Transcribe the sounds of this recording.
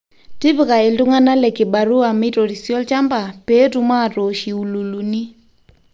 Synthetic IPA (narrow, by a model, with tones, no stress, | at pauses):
ti˦βɪ˨˦ka˨e˨ltʊ˦ŋa˦na˦lɛ˨kɪ˨ba˨ɾu˦a˨mi˦tɔ˨ɾi˨sjɔ˦lt͡ʃa˦mba˨pe˦tu˦ma˦˨to˨ʃi˨u˨lu˨lu˨ni˦